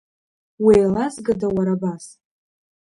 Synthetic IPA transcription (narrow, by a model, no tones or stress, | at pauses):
wejlazɡadawaɾabas